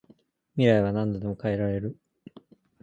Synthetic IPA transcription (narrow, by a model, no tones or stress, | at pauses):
mʲiɾaiβanãnd̪od̪e̞mo̞kaeɾaɾe̞ɾɯ̟